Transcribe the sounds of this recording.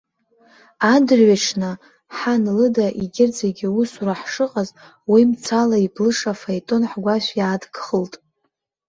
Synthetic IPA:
adɨrɥaʈ͡ʂʰnɨ | ħanlɨdaʔiɡʲɪrd͡zaɡʲɪwusuraħʂɨqʼaz | wimt͡sʰalaiblɨʂafajtʼonħɡʷaʃʷjaːdɡχəltʼ

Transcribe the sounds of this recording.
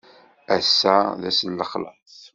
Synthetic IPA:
æsːæðæsənːəχlə̰θ

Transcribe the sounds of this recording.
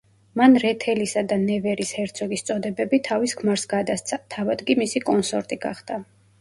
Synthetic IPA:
manɾɛt̪ʰɛlisad̪anɛvɛɾishɛɾt̪sʰɔɡist̪sʼɔd̪ɛbɛbit̪ʰaviskʰmaɾsɡad̪ast̪sʰat̪ʰavad̪ɡimisikʼɔnsɔɾt̪ʼiɡaχd̪̥a

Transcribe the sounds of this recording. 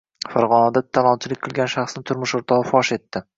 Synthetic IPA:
faɾʁɒnad̪at̪ʰːalˠɒnt͡ʃʰɪlɪkʲqʰɨlˠɡʲanʃaχsnɪt̪ʰʊɾmʊʃoɾt̪ʰɒʁɨfɒʃe̞t̪ːɪ

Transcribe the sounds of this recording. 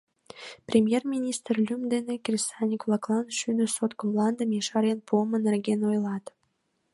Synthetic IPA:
prʲemʲjermʲinʲist̪rlʲymd̪enekʲrʲisɑnʲikvlˠɑklˠɑnʃyd̪ə̆sot̪komlˠɑnd̪ə̆meʃɑɾʲenpuəmə̆nerɡʲenojlˠɑt̪

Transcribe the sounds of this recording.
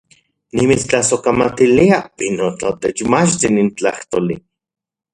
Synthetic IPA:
nimit͡st͡ɬasokamat̪iliainot͡ɬat̪et͡ʃmat͡ʃt̪inint͡ɬa̰ht̪oli

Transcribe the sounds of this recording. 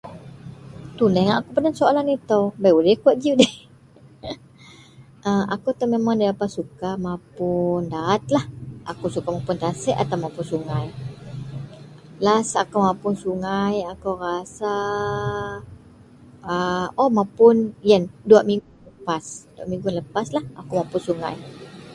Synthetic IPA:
t̪unəŋaʔakupənaŋsoalanit̪awbajulɛkuaʔ̪̚d͡ʒiudɛ | ʔəakut̪amemaŋdadapat̪̚sukamãpʊndaːt̪̚lahʔa̰kusukamapʊnt̪asɛʔat̪awmapʊnsuŋaj | lasakawmãpʊnsuŋajakawɾasa | əɔmãpʊnjənduaʔmĩŋɡuləpasdua̰ʔmĩŋɡunləpaslahakumãpʊnsuŋa̰j

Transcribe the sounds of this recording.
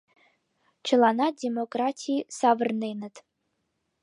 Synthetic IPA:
t͡ʃʰəlˠɑnadʲemokratʲʰiisavərnejnət̪

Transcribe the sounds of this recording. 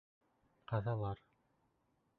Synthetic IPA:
qɑðɑlˠɑɾ

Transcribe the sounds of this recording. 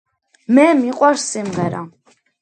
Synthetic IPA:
mɛmiqʼwaɾssimʁɛɾa̰

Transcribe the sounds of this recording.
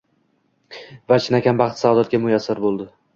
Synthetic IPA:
vat͡ʃʰɪnakʲʰanbɑχt̪savd̪at̪̚ɡʲamʊjasːaɾbolˠd̪ɪ

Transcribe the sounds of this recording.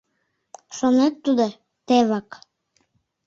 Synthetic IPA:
ʃonet̪ːud̪o | t̪eβɑk

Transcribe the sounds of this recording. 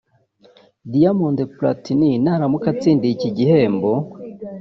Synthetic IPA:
diamondepla̰tininaɾamukat͡siːndiciɟihe̞ːmbo

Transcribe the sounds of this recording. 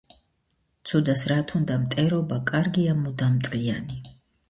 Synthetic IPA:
t̪sʰud̪asɾat̪ʰund̪amt̪ʼɛɾɔbakʼaɾɡiamud̪amt̪ʼliani

